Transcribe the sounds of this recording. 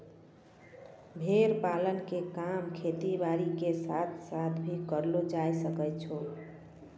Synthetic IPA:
bʱeɾpalənkekamkʰet̪ibaɾikesat̪ʰsat̪ʰbʱikəɾlod͡ʒajsəkəjt͡ʃʰo

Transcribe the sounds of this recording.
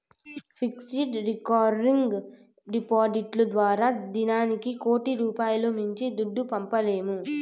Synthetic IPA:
pʰiksiɖɾikaːɾɾiŋɡɡ | ɖipaːdiʈlud̪ʋaːɾaːd̪inaːnikiko̞ːʈiɾuːpaːjɐloːmuɲt͡ʃid̪uɖːupɐmpɐle̞ːmu

